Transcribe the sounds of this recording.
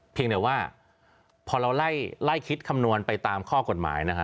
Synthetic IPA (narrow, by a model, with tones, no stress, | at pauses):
pʰi˧ŋd̪ɯ˨˩˦waː˥˩ | pʰɔː˧ɾa˧wla˥˩jla˥˩jkʰi˦˥t̪̚kʰa˧mnu˧ənpa˧jt̪aː˧mkʰɔː˥˩ko˨˩t̪̚ma̰ː˩˦jna˦˥kʰa˦˥